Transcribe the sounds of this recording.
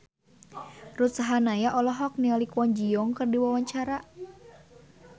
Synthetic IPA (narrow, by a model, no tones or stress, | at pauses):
rut̪̚saɦanajaʔɔlɔɦɔk̚nialikuwɔnd͡ʒijɔŋkɨrdiwawaɲt͡ʃaɾa